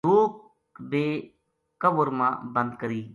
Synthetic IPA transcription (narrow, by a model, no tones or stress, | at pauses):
uːk | beː | kəbʊɾmã̰ːbə̃nd̪kəɾiː